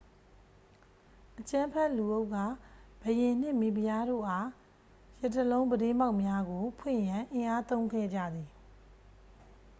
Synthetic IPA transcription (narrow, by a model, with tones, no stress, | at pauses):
ʔət͡ɕã˦mpʰɛ˦ʔlu˨ʔo˦ʊʔkːa˦˨b̥əjɪ̃˨n̥ɪ̃˦˨mi˨bi˨ja˦ɾo̰˦˨ʔa˦ | jɛ˨tːəlõ˦ʊ̃mbədɪ̃˦˨mba˦ʊʔmja˦ɡo˨pʰwɪ̰̃˦˨jã˨ʔɪ̃˨ʔa˦t̪õ˦ʊ̃ŋɡʰɛ̰˦˨d͡ʑä̰˦˨d̪ði˨